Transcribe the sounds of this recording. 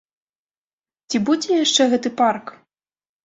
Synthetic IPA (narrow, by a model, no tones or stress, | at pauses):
t͡sʲibud͡zʲɛjaʂt͡ʂɛɣɛt̪ɨpark